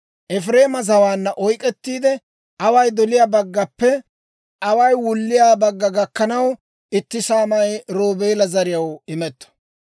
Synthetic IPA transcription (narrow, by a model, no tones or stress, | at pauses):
ʔɛfɾe̞ːmɐzɐwaːnːɐʔɔjkʼɛt̪ːiːd̪ɛ | ʔɐwɐjd̪ɔlɪjaːbɐɡːɐpːɛ | ʔɐwɐjwʊlːɪjaːbɐɡːɐɡɐkːɐnɐw | ɪt̪ːɪsaːmɐjɾoːbeːlɐzɐɾɪjɐwɪmɛt̪ːɔ̥